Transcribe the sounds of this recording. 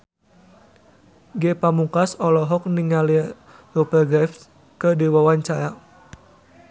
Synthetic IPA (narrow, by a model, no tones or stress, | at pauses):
ɡepamukasɔlɔɦɔk̚niŋali | ropəɡɾɛf | kədiwawaɲt͡ʃaɾa